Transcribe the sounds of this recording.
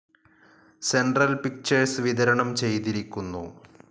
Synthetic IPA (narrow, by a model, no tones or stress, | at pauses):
senɖrɐlpik̚t͡ɕɐrsʋid̪ɐɾɐɳɐmt͡ɕe̞jt̪iɾikʲːunːu